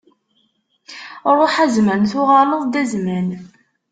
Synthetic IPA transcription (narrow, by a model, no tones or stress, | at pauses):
ɾˤːʊħæzmænθʊʁɑləðˤd̪æzmæn